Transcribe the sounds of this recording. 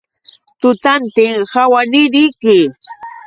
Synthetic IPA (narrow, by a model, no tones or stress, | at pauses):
t̪ʊt̪ant̪ɪŋhawanɪɾɪjkɪ